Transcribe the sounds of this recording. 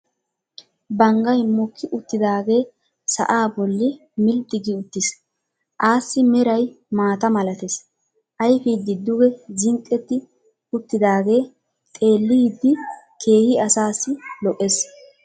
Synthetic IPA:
bɐŋɡɐjmɔkʰːɪʔʊt̪ːɪd̪aːɡe̞ː | sɐ̰ʔaːbɔlːɪ | mɪlt̪ːɪɡɪʊt̪ːɪs | ʔaːsːɪmɛɾɐj | maːt̪ɐmɐlɐt̪ɛs | ʔɐjfid̪ːɪd̪ːʊɡɛzɪŋkʼːɛt̪ːɪ | ʊt̪ːɪd̪aːɡe̞ː | t̪ʼe̞ːlːɪd̪ːɪ | kʰe̞ːhɪɐsaːsːɪlɔʔes

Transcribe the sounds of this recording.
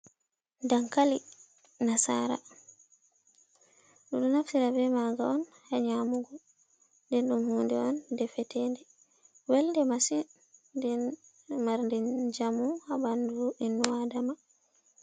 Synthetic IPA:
daŋkali | nasa̰ɾa̰ | ɗuɗunaftiɾabɛmaɡa̰ɔnhaɲamuɡɔ | ndɛnɗumhuːndɛɔndɛfɛtɛːndɛ | wɛlndɛmasi | dɛ | maɾndɛd͡ʒamuhabanduʔinːuwadama

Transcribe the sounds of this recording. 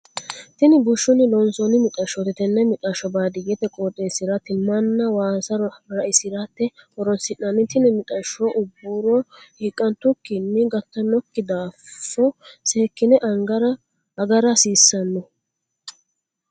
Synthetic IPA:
t̪ɪnɪbʊʃːɔnɪlɔnsɔnɪmɪt̪ʼɐʃɔt̪ɛt̪ɛnːɛmɪt̪ʼɐʃɔbaːd̪ɪjɛt̪ɛkʼoːt̪ʼeːsɪɾɐt̪ɪmːɐnːɐwaːsɐɾɐʔɪsɪɾat̪ːɛɔɾɔnsɪʔːɐnɪt̪ɪnɪmɪt̪ʼɐʃːoʔʊbːuːɾɔhikʼːɐnt̪ʊkːɪnːɪɡɐt̪ːɐnɔkːɪd̪aːfːɔseːkːɪnɛʔɐŋɡɐɾɐ | ɐɡɐɾɐsiːsːɐnːɔ

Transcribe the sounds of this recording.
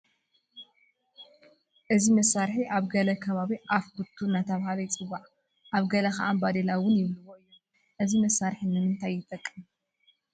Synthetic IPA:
ʔɨzimɐsːaɾħiʔaβɡɐlɐkʰɐβaβiʔafɡut̪ʰːunːat̪ʰɐβhalɐjt͡sʼɨwːaʕ | ʔaβɡɐlɐkaʔambad̪elawʊnjɪβlɨwo̞ɨjːo | ʔɨzimɐsːaɾħinɨmɨnt̪ʰajːɪt̪ʼɐkʼːɨm

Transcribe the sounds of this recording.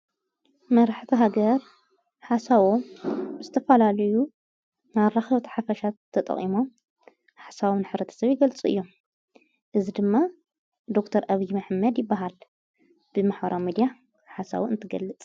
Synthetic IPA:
mɐɾaħt̪ʰiɦaɡɐɾ | ħasaβomzɨt̪ʰɐfɐlalɐju | naɾːaxɐβt̪ʰħafɐʃat̪ʰːɐt̪ʼɐ̰χʼḭmo̞m | ħasaβnɨħβɾɐt̪ʰɐ̥sɐβjɪɡɐlt͡sʼʔɨ̰jːo̞m | ʔɨzid̪ɨmːa | d̪okt̪ʰɐɾʔaβijmaħmːɐd̪jɪbːaɦal | b̥ɨmaħbɐ̰ɾamid̪ija | ħasa̰βoɨnt̪ʰɨɡɐ̰lːɨt͡sʼ

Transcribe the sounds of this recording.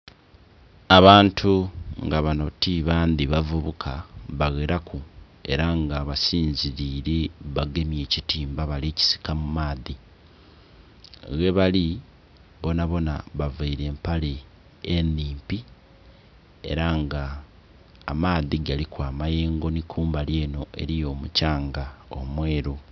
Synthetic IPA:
aβaːntʰuŋɡaβano̞tiβaːndiβavuβukʰaβaɣeɾaku | e̞̰ɾaŋɡaβasiːnziɾiːɾeβaɡe̞mje̞ːcitiːmbaβaleːci̥si̥kamumaːði | ɣe̞βali | βo̞naβo̞naβavaiɾe̞ːmpale̞ː | nːiːmpi | e̞̰ɾaŋɡaː | maːðiɡalikwaːmajeːŋɡo̞nikʰuːmbaljeːno̞ʔe̞̰ɾijo̞ːmucaːŋɡao̰mwe̞ːɾo

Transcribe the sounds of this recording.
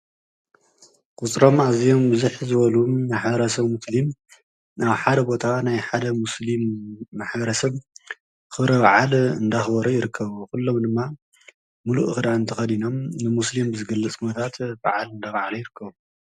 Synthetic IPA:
kʰʼut͡sʼɾo̞mazijo̞mbɨzuħzɨβɐluːaħbɐɾɐsɐβmuslim | ʔaβħad̪ɐbo̞t̪ʰanajħad̪ɐmuslimːaħbɐɾɐsɐβ | kʰɨβɾɐbaʕalɨnd̪axbɐɾujɪɾɨkʰːɐβukulːo̞md̪ɨmːa | muluʔɨxɨd̪aɨnt̪ʰɐxɐd̪ino̞mnɨmuslimbɨzɨɡɐlːɐt͡sʼkʰunot̪ʰat̪ba̰ʕalɨnd̪aβaʕalujɪɾɨkʰːɐβu

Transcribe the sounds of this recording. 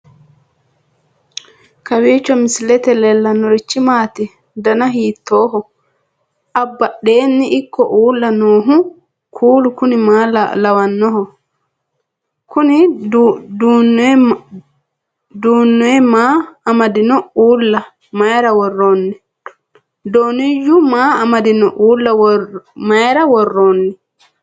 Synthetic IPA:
kɐwiːt͡ʃːɔmɪslɛt̪ɛlɛlːɐnːɔɾɪt͡ʃːɪmaːt̪ɪ | d̪ɐnɐɦiːt̪ːoːɦɔ | ʔɐbːɐɗːe̞ːnːɪʔɪkːɔʔuːlːɐnoːɦʊ | kʰuːlʊkʊnɪmaːlɐwɐnːɔɦɔ | kuni | dunː | duːnːɔɛmaːmadinɔuːlːa | majɾɐwɔrːɔːnːɛ | doːnijːumaːamadinɔʔuːlːawmajɾɐwɔrːɔːnːɛ

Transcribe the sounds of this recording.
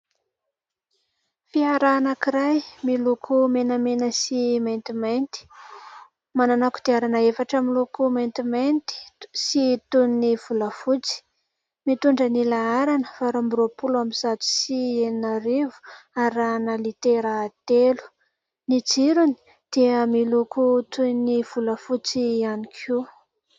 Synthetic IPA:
fiaɾanakiɾajmilukʰumenəmenəsimajnt̪imajnt̪i̥ | mananaku̥d̪̥iaɾanəefaʈ͡ʂamilukumajnt̪imajnt̪i̥sit̪unniv̥ulafut͡si̥ | mit̪uɳɖ͡ʐənilaaɾanəfaɾambuɾopulamizat̪i̥sieninaɾivu̥aɾanəlit̪eɾat̪elu̥ | nit͡siɾuni̥ | d̪̥eəmilukut̪univ̥uləfut͡sianikʰu

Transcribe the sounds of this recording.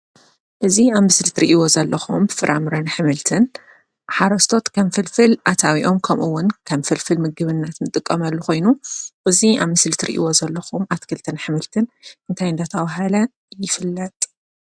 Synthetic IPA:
ʔɨziaβmɨsɨlt̪ʰɨɾḭʔiwo̞zɐlːɐxumbfɨɾʔa̰mɾɐnħɨmɨlt̪ʰɨn | ħaɾɐst̪ʰo̞t̪kʰɐmfɨlfɨlʔat̪ʰawiʔo̞mkʰɐmʔɨwːʊnkʰɐmfɨlfɨlmɨɡɨβɨnːat̪nɨt̪ʼɨkʼːɐmɐlːuxo̞jnuʔɨzia̰βmɨslt̪ʰɨɾḭʔḭwo̞zɐlːɐxumʔat̪kʰɨlt̪ʰɨnħɨmɨlt̪ʰɨnʔɨnt̪ʰajɨnd̪at̪ʰɐβaɦɐlɐ | jɪfɨlːɐt̪ʼ

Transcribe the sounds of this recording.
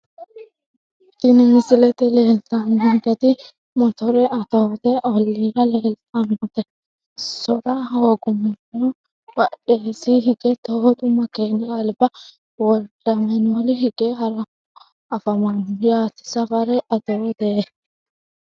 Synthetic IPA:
d̪ɪneːnsɪlɛt̪ɛleːlt̪ʼanʊnt̪ɐt̪ɪ | mɔt̪ɔɾɛʔɐt̪oːt̪ɛʔɔlːiːɾɐleːlt̪ʼɐmɐt̪ɛ | sɔɾɐɦoːɡʊmɛnɔ | wɐɗeːsiɦɪɡɛt̪ohɔt̪ʼʊmɐkeːnːɪɐlbɐ | wɔdɐmɛnolɪɦɪɡ̥eːɦɐɾɐ | ɐfɐmɐnʊjaːt̪ɪ̥sɐfɐɾɛʔɐt̪oːt̪ɛ

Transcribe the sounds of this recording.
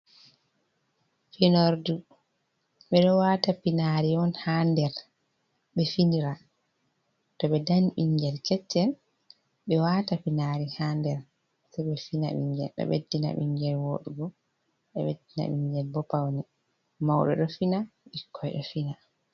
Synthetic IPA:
finoɾdu | ɓɛɗɔwaːtapinaɾiɔnhandɛɾ | ɓɛfindiɾa | tɔɓɛdanɓiɲɡɛlkɛt͡ʃːɛl | ɓɛwaːtapinaɾihandɛɾ | sɛɓɛfina̰ɓḭɲɡɛ̰lɗɛ̰ɓḛdːina̰ɓḭɲɡɛlwoɗuɡɔ | ɓɛɓedːina̰ɓiɲɡɛlbɔpawni | mawɗɔ̰ɗɔfinaɓikʰːɔjɗɔfina

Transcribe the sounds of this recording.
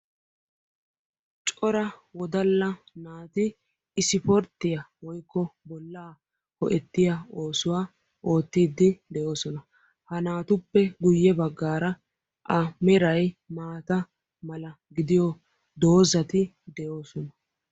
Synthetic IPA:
t͡ʃʼɔɾɐwɔd̪ɐlːɐnaːt̪ɪː | sɪfɔɾt̪ːɪjɐwɔjkːɔbɔlːaː | hɔʔɛt̪ːɪjao̞ːsʊwaː | ʔo̞ːt̪ːiːd̪ːɪd̪ɛjo̞ːsɔnɐ | hɐnaːt̪ʊpːɛɡʊjːɛbɐɡːaːɾɐ | ʔɐmɛɾɐjmaːt̪ɐ | mɐlɐ | ɡɪd̪ɪjɔ | d̪o̞ːzɐt̪ɪ | d̪ɛjo̞ːsɔnɐ

